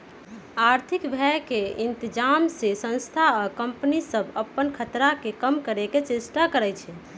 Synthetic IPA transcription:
aɾt̪ʰikbʱɛkeint̪id͡ʒamsesə̃nst̪ʰakəmpnisəbʱəpːənkʰət̪ɾakekəmkəɾeket͡ʃesʈakəɾɛt͡ʃʰɛ

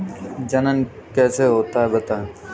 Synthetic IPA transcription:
d͡ʒənənkɛːseɦoːt̪aːɦɛbət̪aːɦe

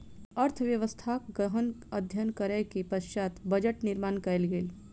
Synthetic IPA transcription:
əɾt̪ʰʋjəʋəst̪ʰaːkɡəɦənəd̪ʱjənkəɾəkipəʃt͡ʃaːt̪bəd͡ʒəʈnɪɾmaːnkɐelɡel

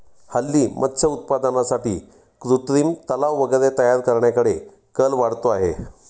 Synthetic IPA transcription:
həlːiːmʔət̪ːɕʰəut̪̚pad̪ənasaʈḭː | kɾuʈɾiːmt̪əlaʋʋəɡəɾet̪əjaɾkəɾɳjakəɽe | kəlʋaɽt̪oaɦḛ

